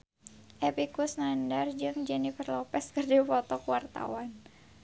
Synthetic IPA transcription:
ʔɛpikusnandard͡ʒɨŋd͡ʒɛnifərlɔpɛskɨrdipɔt̪ɔkuwart̪a̰wan

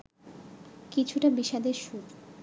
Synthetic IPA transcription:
kit͡ɕʰuʈabiʃad̪eɾʃut̪

